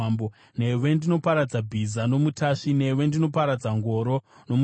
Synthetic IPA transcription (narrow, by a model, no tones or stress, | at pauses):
mbo | ne̞ʋe̞ndino̞paɾad͡zabʱizano̞mutʰaʂine̞ʋe̞ndino̞paɾad͡zaŋɡo̞ːɾo̞ | no̞mu